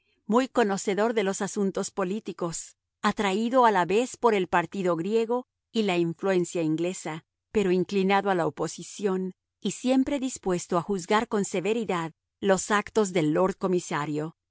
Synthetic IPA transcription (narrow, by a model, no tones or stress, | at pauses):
mujko̞no̞se̞ðo̞ɾðe̞lo̞sasunt̪o̞spo̞lit̪iko̞s | at̪ɾaiðo̞alaβe̞spo̞ɾe̞lpaɾt̪iðo̞ɣɾje̞ɣo̞ | ilaiɱflue̞nsjaiŋɡle̞sa | pe̞ɾoiŋklinaðoalaopo̞sisjo̞n | isje̞mpɾe̞ðispwe̞st̪o̞axuzɣaɾko̞nse̞βe̞ɾiðað | lo̞sakt̪o̞zðe̞lːo̞ɾt̪̚ko̞misaɾjo̞